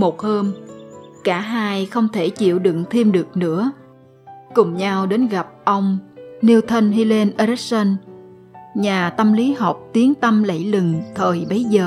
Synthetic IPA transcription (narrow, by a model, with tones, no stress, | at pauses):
mo˨˩t̚həː˧mkaː˧˩ɦaː˧jxə˧wŋ͡mt̪ʰe˧˩t͡ɕḭ˧˨əwɗɨ̰˧˨ŋt̪ʰi˧mɗɨ˨˩ək̚nɨ̰˧˥ə | kʊ˨˩ŋ͡mɲa˧wɗe˨˦nɣa˨˩p̚ʔə˧wŋ͡mni˧wt̪ʰə˧nɦi˧le˧nʔə˧ɾɛ˦˥k̚sə˧n | ɲaː˨˩t̪ə˧mli˨˦ɦa˨˩wk͡p̚t̪i˨˦əŋt̪ə˧mlə̰˧˩jlɨ˨˩ŋt̪ʰəː˨˩jɓə˨˦jzəː˨˩